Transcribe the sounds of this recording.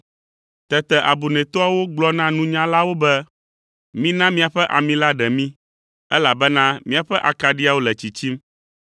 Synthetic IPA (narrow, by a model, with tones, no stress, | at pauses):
t̪ɛ˨t̪ɛ˨ʔa˨bu˨nɛ̃˨t̪ɔ˦a˦wo˦ɡ͡blɔ˦nã˦nũ˦ɲã˦la˦wo˦bɛ˦ | mĩ˦nã˦mĩ˦a˨ɸɛ˦ʔa˨mĩ˦la˦ɖɛ˨mĩ˦ | ɛ˦la˨bɛ˦nã˦mĩ˦a˨ɸɛ˦ʔa˨ka˨ɖi˦a˨wo˦lɛ˨t͡ɕi˨t͡ɕi˦m